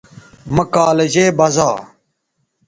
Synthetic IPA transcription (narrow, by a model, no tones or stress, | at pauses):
mɐkaːlɐʑeːbɐza̰ː